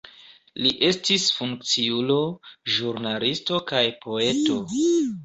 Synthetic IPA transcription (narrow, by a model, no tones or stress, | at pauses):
liʔe̞stisfuŋk̚t͡siulo̞ʒuɾnalisto̞kajpʰo̞e̞to̞